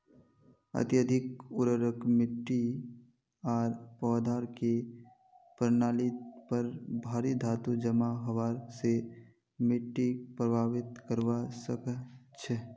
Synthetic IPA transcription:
ə̰t̪jəd̪ʱɪkʊɾəɾəkmɪʈːi | aːɾpɔːd̪aːɾke | pɾnaːlipəɾbʱaːɾid̪ʱaːt̪ud͡ʒəmaɦəʋaːɾse | mɪʈːipɾəbʱaːʋɪt̪kəɾwasəkt͡ʃʰɛ

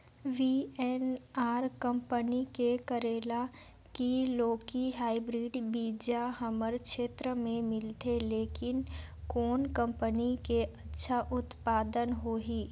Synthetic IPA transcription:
ʋiːɛnaːɾkə̃mpənikekəɾeːla | kiloːkiɦaːibɾiːɖbiːd͡ʒaɦəməɾkʃeːt̪ɾəmẽmɪlt̪ʰeleːkɪnkoːnkə̃mpənikeʔɐtːʃʰaʔʊt̪paːd̪ənɦoːɦiː

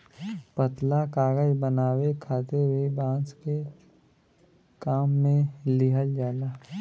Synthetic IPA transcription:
pət̪lakaːɡəd͡ʒbənaːwekʰaːt̪ewibãːske | kaːmːẽlɪɦəld͡ʒaːlaː

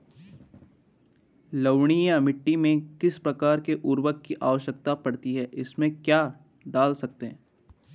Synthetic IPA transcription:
ləʋɳ̃ijamɪʈːimẽkɪspɾɐkaːɾkeʔʊɾwəkːiʔaːʋəʃjəkt̪apɐɽt̪iɦɛːʔɪsmẽkjaː | ɖaːlsɐk̚t̪eɦɛ̃

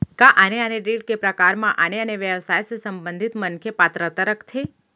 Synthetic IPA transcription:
kãʔaneəneɾeɖ̚kepɾəkaɾmãʔaneəneʋjəʋsajsesəmbənd̪ʱit̪mənkʰepat̪ɾət̪əɾəkt̪ʰe

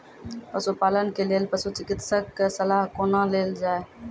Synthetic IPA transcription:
pəsoːpaːlənkeːlejəlpəsot͡ʃɪkɪt̪səksəlaːɦkoːnãːleːld͡ʒaːe

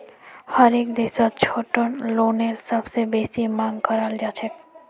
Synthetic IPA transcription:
hɔɾekd̪esott͡ɕʰoʈonloneɾʃɔbsebeʃimaŋkɔɾald͡ʑat͡ɕʰe

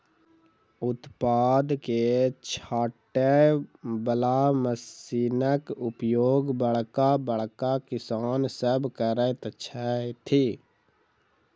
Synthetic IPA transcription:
ʊt̪paːd̪ket͡ʃʰaːʈːe | bəlaməsiːnəkʊpjoːɡbəɭkabəɭ̤kakɪsaːnsəbkəɾət̪ət͡ʃʰat̪ʰi

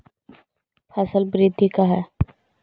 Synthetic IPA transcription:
fɛːsəlbɾɪd̪ʱːikaɦɛː

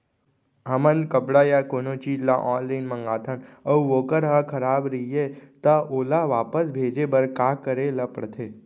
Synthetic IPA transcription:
ɦɐmənkəpɽajaːkoːnot͡ʃiːd͡ʒla̰ʔɔːnlaɪnmɐ̃ŋɡaːt̪ʰənɐuʋoːkəɾɦakʰɐɾaːbɾɐjet̪ɐoːlaʋaːpəsbʱeːd͡ʒebɐɾkaːkəɾelɐpəɽt̪ʰeː

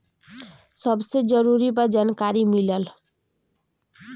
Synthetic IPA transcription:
sʌbsed͡zʌɾuɾibad͡zankaɾimilʌl

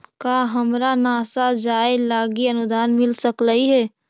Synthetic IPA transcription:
kaːɦəmɾanaːsad͡ʒaːelaːɡiɐnʊd̪ʱaːnmɪlsəkləɦiɦɛː

